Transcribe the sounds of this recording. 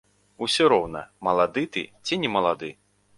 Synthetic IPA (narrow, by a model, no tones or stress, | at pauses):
usʲɔɾɔwnɐ̰mɐlˠad̪ɨt̪ɨ̰t͡sʲinʲɛmɐlˠad̪ɨ